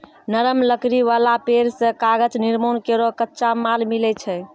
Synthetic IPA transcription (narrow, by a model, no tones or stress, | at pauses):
nəɾəmləkɾiʋalapeɾsə̃kaɡəd͡ʒniɾmonkeɾokətːʃamalmilɛt͡ʃʰɛ